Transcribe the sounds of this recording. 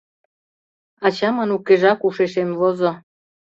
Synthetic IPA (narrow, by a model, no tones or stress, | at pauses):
ɑt͡ɕɑmɑnukːeʒɑkuʃeʃemvozo